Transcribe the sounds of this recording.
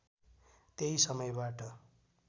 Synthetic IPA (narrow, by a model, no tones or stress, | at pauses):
t̪eɦisʌmʌjbaʈʌ